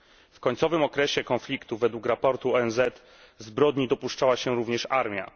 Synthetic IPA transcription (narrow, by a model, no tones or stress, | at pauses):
fkɔɲt̪sɔvɘmɔkɾɛɕɛkɔnflʲikt̪uvɛd̪wukɾapɔɾt̪uɔɛnzɛt̪ | zbɾɔd̪ɲid̪ɔpuʂt͡ʂawaɕɛɾuvɲɛʂaɾmʲja̰